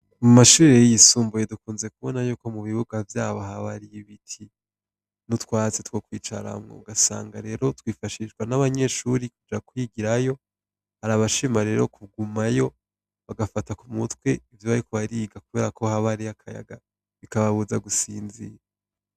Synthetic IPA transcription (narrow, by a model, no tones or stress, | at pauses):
mumaʃuːɾejjisuːmbujedukuːnze̞kuβo̞najuːko̞muβiβuɡavjaːβohaβaɾijiβitʰi | nutkwaːzetwo̞kwiːt͡ʃa̰ɾa̰mŋo̰uɡasa̰ːŋɡaɾe̞ːɾo̞twiːfaʃiʃɡwanaβaɲe̞ʃuɾikud͡ʒakwiɡiɾajo̞ | haɾaβaʃimaɾe̞ːɾo̞kʰuɡumajo̞ | βaɡafatakumutwe̞ivjuβaɾikuβaɾiːɡakuβe̞ːɾakʰo̞haβaɾiakʰaja̰ɡa | βikaβaβuzaɡusiːnzḭɾa